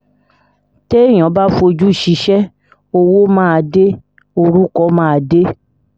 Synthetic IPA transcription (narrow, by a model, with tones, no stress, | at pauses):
te˦˨j̃ã˨˦ba˦fo˧d͡ʒu˦˨ʃi˨˦ʃɛ˦ | o˧wo˦mãː˦a˧de˦ | o˧ɾu˦kɔ˦mãː˦a˧de˦